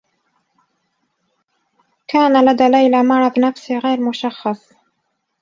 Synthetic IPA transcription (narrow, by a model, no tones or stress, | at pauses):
kaːnalad̪aːlajlamɑɾˤɑbnafsiɣajɾmʊʃɑxːɑsˤ